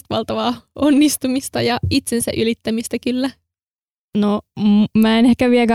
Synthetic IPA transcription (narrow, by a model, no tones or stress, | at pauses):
t̪ʋɑ̰lt̪ɑʋɑːonːist̪umist̪ɑjɑit̪sensæ̰ʔylit̪ːæmist̪ækylːæ | nomæːenehkæʋiækæ